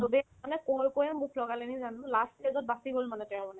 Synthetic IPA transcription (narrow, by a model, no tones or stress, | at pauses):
dodɛ | anɛkojkojamukʰlɔɡalenizanlastezɔt̚basibolmanɛtɛɹmɔnɛ